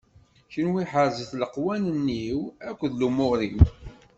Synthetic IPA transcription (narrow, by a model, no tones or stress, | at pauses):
çinwiħəɾzəθləqwænənːiwækʷːðlumʊɾim